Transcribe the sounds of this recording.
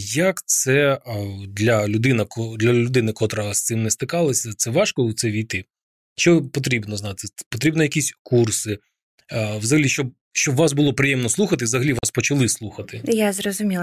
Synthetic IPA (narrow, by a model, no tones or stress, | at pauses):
jɐkt̪sɛ | d̪lʲɐlʲʊd̪ɪnɐkɔd̪lʲɐlʲʊd̪ɪnɪkɔt̪ɾɐɦɐst̪sɪmnɛst̪ɪkɑlˠɐsʲɐt̪sɛʋɑʃkɔwt̪sɛʋʲijt̪ɪ | t͡ʃɔpɔt̪̬ɾʲibnɔznɑt̪ɪpɔt̪ɾʲibnɔjɐkʲisʲkursɪ | ʋzɐɦɐlʲiʃt͡ʃɔb̚ | ʃt͡ʃɔbʋɑsbʊlˠɔpɾɪjɛmnɔslˠuxɐt̪ɪzɐɦɐlʲiʋɑspɔt͡ʃɐlˠɪslˠuxɐt̪ɪjazrɔzʊmʲi